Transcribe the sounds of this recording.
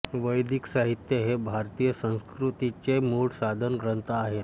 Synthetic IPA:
ʋəjd̪ʱiksaɦit̪jəɦebʱaɾt̪ijəsə̃w̃skɾut̪it͡ɕemuɽsad̪ʱənɡɾənt̪aːɦet̪̚

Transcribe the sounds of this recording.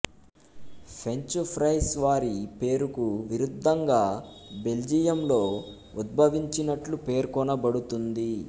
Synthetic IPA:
pʰe̞ɲt͡ʃupʰɾɐjsʋaːɾipe̞ːɾukuʋiɾud̪ʱːɐŋɡaːbe̞ld͡ʒijɐmlo̞ː | ud̪̚bʱɐʋiɲt͡ʃinɐʈlupe̞ːɾkɔnɐbɐɽut̪und̪i

